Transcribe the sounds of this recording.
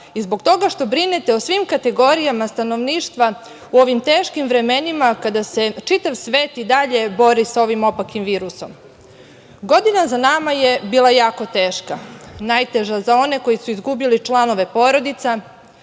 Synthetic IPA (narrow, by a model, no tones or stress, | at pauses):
izbo̞ɡt̪o̞ɡaʃt̪o̞bɾine̞t̪e̞osʋimkat̪e̞ɡo̞ɾijamast̪ano̞ʋniːʃt̪ʋa | uo̞ʋimt̪eːʃkimʋɾe̞me̞nimakad̪ase̞t͡ʃit̪aʋsʋe̞ːt̪id̪aʎe̞bo̞ɾisao̞ʋimo̞pakimʋiːɾuso̞̰m | ɡo̞d̪inazanamajebiːlˠajaːko̞t̪e̞ːʃkanajt̪e̞ʒazao̞ne̞ko̞jisuizɡubilit͡ʃlˠano̞ʋe̞po̞ɾo̞d̪it̪sa